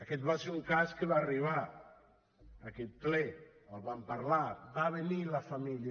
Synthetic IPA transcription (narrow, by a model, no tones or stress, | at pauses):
aket̪̚baseuŋkaskeβaːriβa | aket̪̚plɛ | alβampaɾlabaβenilafamilj